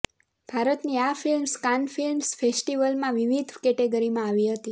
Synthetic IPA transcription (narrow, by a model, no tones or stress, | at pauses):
b̥ʱaɾət̪niafilmskanfilmsfesʈiʋəlmãʋiʋid̪ʱkɛʈeɡəɾimãaʋiɦət̪i